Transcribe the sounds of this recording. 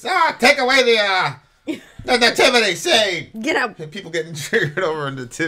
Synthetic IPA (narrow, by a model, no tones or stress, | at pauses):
ɔtʰeɪkəweɪðəʌ | nəðɨtʰɪvɨðeɪseɪɡɛɾapʰipl̩ˠɡɛɾɪ̃ŋtʰɹ̥ɪɾoʊvə˞ɨ̃nðɨtʰɪ